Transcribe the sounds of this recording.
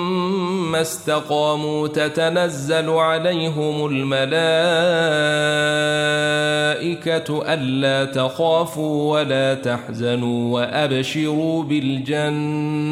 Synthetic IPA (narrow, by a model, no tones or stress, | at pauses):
ast̪aqɑːmuːt̪at̪anazːalʕalajɦɪmʊlmalaː | ʔɪkaʔanːaːt̪axaːfuːwalaːt̪aħzanuːwaʔabʃɪɾuːbɪld͡ʒanː